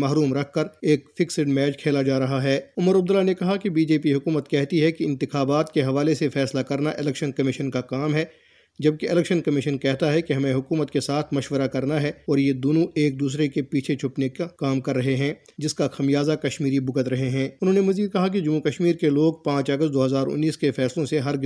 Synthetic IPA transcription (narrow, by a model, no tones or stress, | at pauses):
maːɦɾuːmɾɐkʰːɐɾeːkfɪksɪɖmɛːd͡ʒkʰeːlad͡ʒaːɾɐɦaɦɛːʊməɾɐb̚d̪əlːanekɐɦakibiːd͡ʒeːpiɦʊkuːmət̪kɛɦt̪iɦɛkiɪ̃nt̪ɪxaːbaːt̪keɦɐʋaːlesefɛːslakɐɾnaʔɪlɛːkʃənkɐmɪʃənkakaːmɦɛ | d͡ʒɐb̚keɪlɛːkʃənkɐmɪʃənkɛɦt̪aɦɛkiɦɐmẽɦʊkuːmət̪kesaːt̪ʰmɐʃʋəɾakɐɾnaɦɛɔːɾjed̪oːnõʔeːk̚d̪uːs̬ɾekepiːt͡ʃʰet͡ʃʰʊpnekakaːmkɐɾːɐɦeɦɛ̃ː | d͡ʒɪskaxɐmijaːzakɐʃmiːɾibʊɡət̪ɾɐɦeɦɛ̃ːʊnɦõːnemɐziːd̪̚kɐɦak̬id͡ʒɐmːukɐʃmiːɾkeloːɡ̚pãːt͡ʃɐɡəst̪̚d̪oːɦɐzaːɾʊ̰nːiːskefɛːslõseɦɐɾ